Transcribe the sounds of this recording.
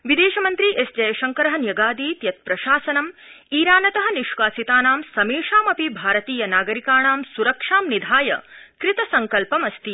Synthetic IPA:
ʋid̪eːʃɐmɐnt̪ɾiʔesd͡ʒɐjɐʃɐŋkɐɾɐɦɐ̆njɐɡaːd̪iːt̪jɐt̪̚pɾɐʃaːsɐnɐm | iːɾaːnɐt̪ɐɦɐ̆niʃʋaːsit̪aːnaːmsɐmeːʂaːmɐpibʱaːɾɐt̪iːjɐnaːɡɐɾikaːɳaːmsuɾɐkʂaːmnid̪ʱaːjɐ̰kɾɪt̪ɐsɐŋkɐlpɐmɐst̪i

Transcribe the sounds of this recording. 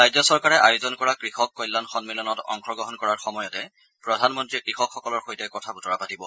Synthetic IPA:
ɹajzɔsɔɹkaɹɛʔajʊzɔnkɔɹakɹixɔkːɔjlːanxɔnmilɔnɔtɔ̰ŋxɹɔɡɹɔɦɔnkɔɹaɹxɔmɔjɔtɛ | pɹɔdʱanmɔntɹikɹixɔkxɔkɔlɔɹxojtɛkɔtʰabutɔɹapatibɔ

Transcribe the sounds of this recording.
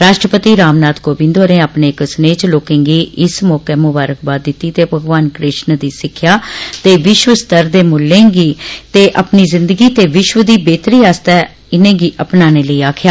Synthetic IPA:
ɾaːʃʈɾəpət̪iːɾaːmnaːt̪koːbɪ̃nd̪oːɾẽːaːpneːksneːt͡ʃloːkẽːŋɡiːʔɪsmɔːkeːmʊbaːɾək̚baːt̪̚d̪ɪt̪ːiːt̪eːpəɡʋaːnkɾɪʃnd̪iːsɪkʰːjaːt̪eːʋɪʃʋəst̪əɾd̪eːmʊlːẽːɡiːt̪eːʔəpniːzɪnd̪əɡiːt̪eːʋɪʃʋəd̪iːbeːt̪ɾiːaːst̪ɛː | ɪnẽːɡiːʔəpnaːneːləiːaːkʰjaː

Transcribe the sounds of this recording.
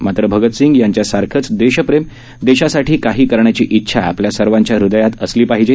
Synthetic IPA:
mat̪ɾəbʱəɡət̪siŋɡjaɲt͡ɕjasaɾkʰət͡sd̪eɕəpɾem | d̪eɕasaʈʰiːkaɦiːkəɾɳjat͡ɕiːʔitːɕʰaa̰pljasəɾʋaɲt͡ɕjaɾud̪ajat̪əsliːpaɦid͡ʑe

